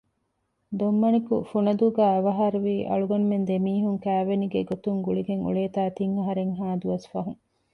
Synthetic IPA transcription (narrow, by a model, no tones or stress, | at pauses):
d̪omːɐnikṵfunɐd̪uɡæːɐʋɐɦɐɾuʋiːʔɐ̰ɭuɡɐnmend̪emiːɦuŋkæːʋeniɡeɡot̪uŋɡuɭiɡeŋṵɭeːt̪aːt̪iŋɐɦɐɾeŋɦaːd̪uʋɐsfɐɦuŋ